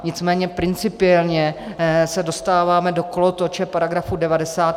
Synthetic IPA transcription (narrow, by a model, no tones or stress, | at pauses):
ɲɪt͡smɛːɲɛpɾɪnt͡sɪpɪɛlɲɛ | sɛdo̞st̪aːvaːmɛdo̞kolot̪ot͡ʃɛpaɾaɡɾafudɛvadɛsaːt̪